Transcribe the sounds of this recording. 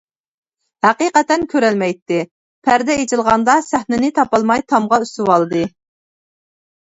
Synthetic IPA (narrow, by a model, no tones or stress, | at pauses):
hæqiqɛt̪ɛnkʲʰøɾɛlmɛjt̪ːɪ | pʰæɾd̪ɛet͡ʃʰɪlˠʁɑnd̪ɑsæhnɪnɪt̪ʰɑpɑlˠmɑjt̪ʰɑmʁɑyst̪ɪwɑlˠɨd̪ɨ